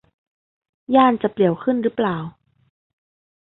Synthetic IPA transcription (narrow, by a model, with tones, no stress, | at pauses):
jaː˥˩nt͡ɕa˨˩pli˨˩əwkʰɯ˥˨nɾɯː˦˥plaː˨˩w